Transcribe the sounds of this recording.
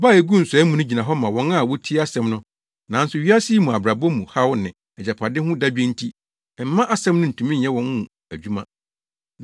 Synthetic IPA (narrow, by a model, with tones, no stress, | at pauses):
baː˦˨e˨ɡu˦n̩˨sʊ˨ɛ˦mũ˨nʊ̃˦d͡ʑi˨nã˨ɦɔ˦mã˨wɔ̃˦na˦˨wɔ˦tʰi˦a˦sɛ̃˦mnʊ̃˦ | nã˨n˦sʊ˨ɥi˦a˦si˦mũ˨a˨bɾa˨bɔ˦mũ˨ha˦wʊ˦nɪ̃˨ | ɛ˨d͡ʑa˨pʰa˨dɪ˦hʊ̃˦da˦bᶣɛ̃˦n̩˦tʰi˦˨ | m̩˨˦mã˦ʔa˦sɛ̃˦mnʊ̃˦n̩˨tʰũ˨mĩ˦n̩˨ɛ˦wɔ̃˨˦nhũ˦˨ | æ˨d͡ʑᶣu˦mã̰˦